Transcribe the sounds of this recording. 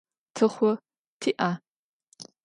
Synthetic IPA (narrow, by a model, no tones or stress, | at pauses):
tʰɨχʷɔ | tʰiːʔa